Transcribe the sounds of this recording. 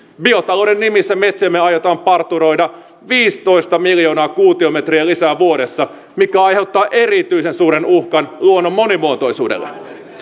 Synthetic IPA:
bio̞t̪ɑloudenːimisːæmet̪semːeɑjot̪ɑːmpɑrt̪ːuɾo̞jdɑ | ʋiːst̪o̞ist̪ɑmiljo̞ːnɑːkuːt̪iomet̪riælisæːʋuo̞ɾesːɑ | mit̪kæɑjhe̞wt̪ːɑːʔeɾit̪yisensuːɾenuhkɑnluonːomːo̞nimuot̪o̞jsuːdḛlːḛ

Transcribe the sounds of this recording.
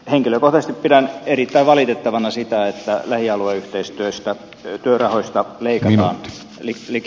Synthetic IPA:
heŋkiløkoht̪ɑsest̪ippidænerit̪ːæiʋʋɑlit̪et̪ːɑʋɑnɑsit̪æet̪ːælæhiɑlueyht̪eist̪yøst̪æ | t̪yørɑhoist̪ɑleˑikɑt̪ɑːn | lili

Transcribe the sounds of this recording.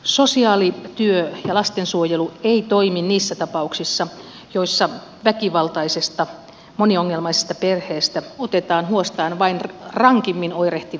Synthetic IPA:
sosiɑːlit̪yøjɑlɑst̪ensuojelueit̪oiminniːsːæt̪ɑpɑuksisːɑ | joisːɑ | ʋækiʋɑlt̪ɑisest̪ɑ | monioŋːelmɑise̥st̪ɑperheːst̪æot̪et̪ɑːnhuost̪ɑːnʋɑinrɑŋkimːinoireht̪i

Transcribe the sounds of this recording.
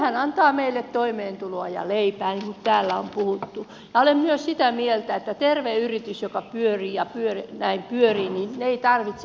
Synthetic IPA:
hænɑnt̪ɑːmeilːet̪t̪oimeːnt̪uloɑjɑ̰leipæːniŋkut̪t̪æːlːæompuhut̪ːu | jɑolemmyøssit̪æmielt̪æet̪ːæt̪erʋeyrit̪ysjokɑpyøriːjɑpyørnæimpyøriːninneeit̪ɑrʋit̪s

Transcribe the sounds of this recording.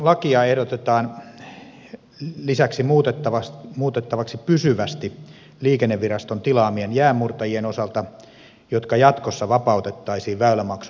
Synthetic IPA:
lɑkiɑehɾot̪et̪ɑːn | lisæksimuːt̪et̪ːɑʋɑsmuːt̪et̪ːɑʋɑksipysyʋæst̪i | liːkenːeʋʋirɑst̪ont̪ilɑːmienjæːmmːurt̪ɑjienosɑlt̪ɑ | jot̪kɑjɑt̪kosːɑʋɑpɑˑut̪et̪ːɑisiːʋʋæylæmɑksu

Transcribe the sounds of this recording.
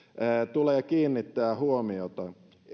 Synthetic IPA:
æːt̪ulejɑkiːnːit̪ːæːhuomiot̪ɑ

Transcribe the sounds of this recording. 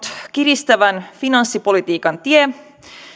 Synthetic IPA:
t̪kirist̪æʋænfinɑnsːipo̞lit̪iːkɑnt̪ie

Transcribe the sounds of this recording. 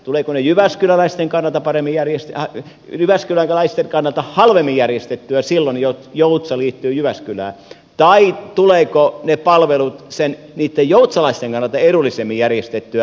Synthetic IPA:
t̪uleːkonejyʋæskylælæist̪eŋkɑnːɑlt̪ɑpɑremːijjærjest̪ɑ | jyʋæskylæklæist̪enkɑnːɑlt̪ɑhɑlʋemːijjærjest̪et̪ːyæsilːonjot̪jout̪sɑliːt̪ːyːjyʋæskylæ̰ː | t̪ɑit̪uleːkonepɑlʋelut̪sen | niːt̪ːejjout̪sɑlɑist̪eŋkɑnːˑɑlt̪ɑeɾulːˑisemːijjærjest̪et̪ːyæ

